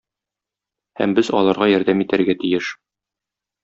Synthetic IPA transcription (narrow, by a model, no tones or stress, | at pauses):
hæ̰mbɘzɒlˠɑɾʁɑjɒɾd̪æmit̪æɾɡæt̪ijɘʃ